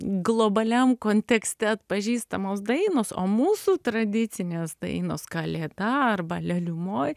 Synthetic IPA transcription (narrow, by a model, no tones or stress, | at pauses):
ɡlˠoːbɐlʲɛmkoːnʲt̪ʲɛksʲt̪ʲɛɐt̪pɐʒʲiːst̪ɐmoːsd̪ɐɪnoːso̰ːmuːsuːt̪ɾɐd̪ʲɪt̪t͡s̪ʲɪnʲeːsd̪ɐ̰ɪnoːskɐlʲeːd̪ɐɐrbɐlʲɛlʲʊmoːj